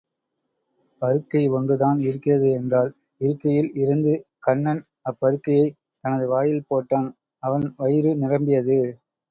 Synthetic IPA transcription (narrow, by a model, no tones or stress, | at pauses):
pɐɾɯkːɐɪɔndɯðaːnɪɾɯkːɪrɐðɯɛndraːl | ɪɾɯkːɐjɪlɪɾɯnd̪ɯ | kɐɳːɐn | ɐpːɐɾɯkːɐjɐɪ | t̪ɐnɐðɯʋaːjɪlpoːʈːaːn | ɐʋɐnʋɐjɪɾɯnɪrɐmbɪjɐðɯ